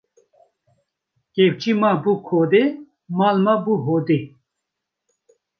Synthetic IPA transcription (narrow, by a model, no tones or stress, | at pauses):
kep̚t͡ʃimabukʰod̪e | malmabuɦoːd̪e